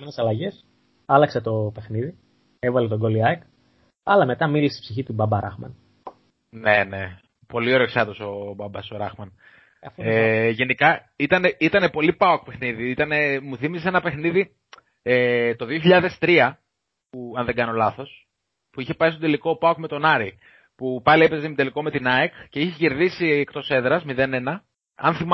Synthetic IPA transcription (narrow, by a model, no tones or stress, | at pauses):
menesɐlɐʝe̞s | ɐlɐkset̪o̞pe̞xniði | e̞vɐlet̪o̞ɡo̞liɐjk | ɐlɐme̞t̪ɐmilisipsiçit̪ubɐbɐɾɐ̰xmɐ̰n | ne̞ne̞ | po̞lioɾeksɐt̪oso̞bɐbɐsoɾɐxmɐn | ɐfeʝe̞nikɐ | it̪ɐne̞it̪ɐne̞po̞lipɐok̚pe̞xniðiit̪ɐne̞muθimissee̞nɐpe̞xniði | et̪o̞ðio̞çiʎɐðe̞st̪ɾiɐ | puɐnðe̞ŋɡɐno̞lɐθo̞s | puiçe̞pɐst̪ot̪eliko̞pɐokme̞t̪o̞nɐɾi | pupɐliepe̞zemid̪eliko̞met̪inɐekce̞içece̞ɾðisiekt̪o̞se̞ðɾɐzmiðe̞ne̞nɐ | ɐ̰nθim